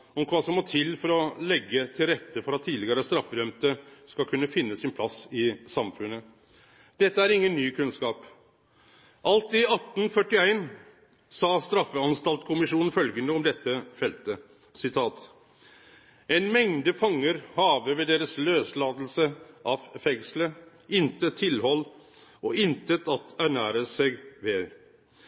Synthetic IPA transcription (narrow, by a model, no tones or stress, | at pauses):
ɔmkʰʋɑːsɔmːɔt̪ʰɪlfɔɾɔlɛɡːət̪ʰɪlɾɛt̪ʰːəfɔɾɑt̪ʰːiːd̪lɪɡəɾəst̪ɾɑfːəd̪œmt̪əskɑlkʰʉnːəfɪnːəsɪnpʰlɑsɪsɑmfʉnːə | d̪̥ɛt̪ːəæɾɪŋːənnyːkʰʉnskɑːp | ʔɑlt̪ɪɑt̪ːn̩fœʈːɪæɪn | sɑːst̪ɾɑfːəɑnst̪ɑlt̪kʰʊmɪʂuːnn̩fœlɡənəɔmd̪ɛt̪ːəfɛlt̪ə | sɪt̪ʰɑːt̪ | ɛɪnmɛŋd̪əfɑŋːəɾhɑːʋəʋɛd̪eːɾəsløːslɑːd̪lsəʔɑʋfɛŋslə | ɪnt̪ət̪ʰːɪlhɔlː | ɔɪnt̪ət̪ɑt̪æɳæːɾəsɛɡʋɛ